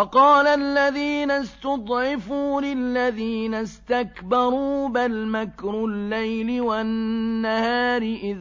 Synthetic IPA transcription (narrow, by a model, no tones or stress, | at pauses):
fɑqɑːlalːaðiːnast̪ʊd̪ˤʕɪfuːlɪlːaðiːnast̪akbɑɾˤuːbalmakɾʊlːajlɪwanːahaːɾɪʔɪð